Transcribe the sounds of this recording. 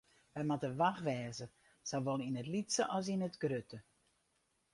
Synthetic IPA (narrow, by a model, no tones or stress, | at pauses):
ʋɛjmatəʋaxʋɛːzə | sawʋolˠinətlitsəʔɔs̬inətɡrøtə